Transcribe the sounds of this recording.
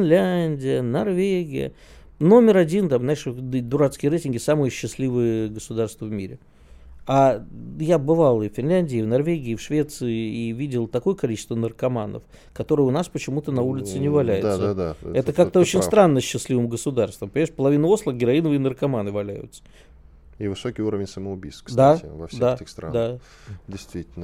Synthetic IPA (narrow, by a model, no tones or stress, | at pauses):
ɪnlʲænʲdʲɪjənɐrvʲeɡʲɪjə̰ | no̞mʲɪɾɐdʲint̪amznaɪʂd̪ʊɾat̪skʲɪjəɾejtʲɪnɡʲɪsamɨjəɕːɪslʲivɨjəɡəsʊd̪arst̪vəvmʲḭɾʲɪ̰ | ajabɨvalˠɨfʲfʲɪnlʲænʲdʲɪːvnɐrvʲeɡʲɪːfʂvʲe̞t̪sɨɪivʲidʲɪlˠt̪ɐko̞jəkɐlʲit͡ɕɪ̥st̪vənərkɐmanə̰f | kɐt̪o̞ɾɨjəʊnaspət͡ɕɪmut̪ənɐulʲɪt̪sɨnʲɪvɐlʲæjɪd̪səd̪aɛt̪əkak̚t̪əot͡ɕɪnnst̪ɾanːəɕːɪsʲlʲivɨmɡəsʊd̪arst̪vəmpəɪʂpəlˠɐvʲinəo̞slˠəɡʲɪɾɐinəvɨɪnərkɐmanɨvɐlʲæjʊ̰t̪sə̥ | ivɨsokʲijuɾəvʲɪnʲsəməʊbʲijst̪k̪d̪aɪvɐ̰fsdeatʲɪst̪ɾand̪a | dʲɪjst̪vʲitʲɪlʲnə